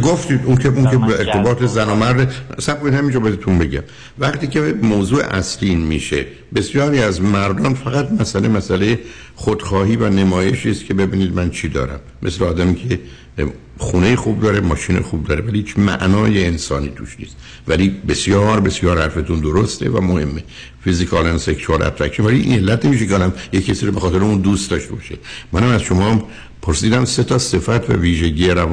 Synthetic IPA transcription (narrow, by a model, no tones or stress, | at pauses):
ɡoft̪iːd̪unkʰeuŋkʰeeɾt̪ʰe̞bɒːt̪ʰezænɒːmæɾd̪esæb̚kʰonid̪hæmind͡ʒɒbɒːjæd̪et̪unbe̞ɟæm | væχt̪iːcemoːzuːḛʔæsliinmiːʃe̞̰ | be̞sjɒːɾiːæzmæɾd̪ɒnfæɣæt̪mæsælemæsæleje | χod̪̥xɒːɦiːvænemɒːje̞ʃiːst̪kʰe̞be̞biːniːd̪mænt͡ʃʰiːd̪ɒ̰ːɾæ̰mːe̞̰sleɒːd̪æmiːcʰe | xuːnejexub̚d̪ɒːɾemɒːʃiːnḛxub̚d̪ɒːɾevælihiːt͡ʃmæ̰ʔnɒːjeːnsɒːniːt̪ʰṵʃnḭːst̪ | vælibe̞sjɒːɾbe̞sjɒːɾhæɾfet̪und̪oɾost̪ʰe̞̰væ̰mohe̞mːe | fizikʰɒːlænseksuɑlæ̰tt̪ʰækʰimvæliʔḭne̞lːæt̪ʰne̞miːʃ̬ekeɒːd̪æmjecʰːesiːɾobe̞xɒːt̪e̞ɾeund̪uːst̪̚d̪ɒːʃt̪e̞bɒʃemænæmæzʃo̞mɒːm | pʰoɾsiːd̪æmse̞t̪ʰɒse̞fæt̪ʰvæ̰viːʒe̞ɟieɾæv